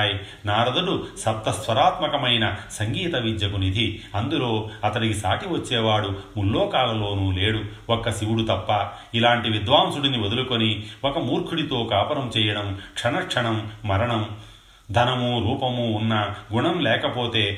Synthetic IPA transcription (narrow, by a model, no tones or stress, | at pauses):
ji | naːɾɐd̪ɐɽusɐp̚t̪ɐsʋɐɾaːt̪mɐkɐmɐjnɐsɐŋɡiːt̪ɐʋid͡ʒɐkunid̪ʱiɐnd̪ulo̞ːɐt̪ɐnikisaːʈiʋɐt͡ʃːɛːʋaːɽumulːoːkaːlɐlo̞ːnuːle̞ːɽu | ɔkːɐsiwuɽut̪ɐpːɐ | ilaːɳʈiʋid̪ʋaːmsuɽiniʋod̪ulukoniwɔkɐmuːɾkʰuɽit̪o̞ːkaːpɐɾɐmt͡ʃɛːjɐɽɐmkʂɐnɐkʂɐɳɐmːɐɾɐɳɐm | d̪ʱɐnɐmuɾuːpɐmuːnːɐɡuɳɐmlɛːkɐpoːt̪e̞ː